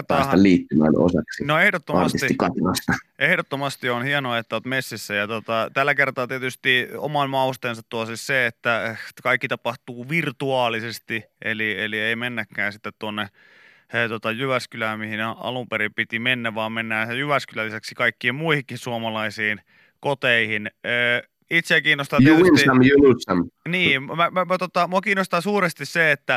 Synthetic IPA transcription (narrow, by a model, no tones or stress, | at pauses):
rt̪ɑːst̪ɑliːt̪ːymæ̰no̰sɑksinoehdot̪ːoɑmɑtst̪isiikɑt̪inɑst̪ɑʔehdot̪ːomɑst̪ionhienoɑet̪ːæot̪mesːisːæjɑt̪ot̪ɑt̪ælːækert̪ɑːt̪iet̪yst̪io̰mɑnmɑust̪eːnsɑt̪tuɑsisseet̪ːækɑikːit̪ɑpɑht̪uːʋirt̪uɑːlisest̪iʔḛlielieimenːækːæːnsit̪ːet̪t̪uonːe | t̪ot̪ɑjyʋæskylæmihinɑ̰lumpeɾipit̪imenːæʋʋɑːmmenːæːsejyʋæskylælːisæksikɑikːiːmmuihikːissuomɑlɑisiːn | kot̪eihinəː | it̪sekiːnːost̪ɑj̪uinsɑmjunusɑmniːmæmæmæt̪ot̪ɑmuokiːnːost̪ɑsuːrest̪isseet̪ːæ